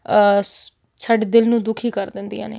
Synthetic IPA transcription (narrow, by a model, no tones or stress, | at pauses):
t͡ʃʰəɖd̪ɪlnũːd̪ʊkʰiːkəɾd̪ɪnd̪ijã̰ːnḛː